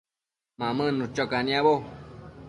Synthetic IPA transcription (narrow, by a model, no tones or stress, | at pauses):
mãmɨ̃nũt͡ʃokanĩãβo